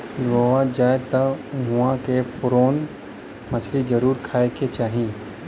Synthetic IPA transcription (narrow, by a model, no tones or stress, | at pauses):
d̪ʋoʋãd͡ʒaːet̪ɐɦʊãkepʊɾoːn | mɐt͡ʃʰlid͡ʒəɾuːɾkʰaːeket͡ʃaːɦĩ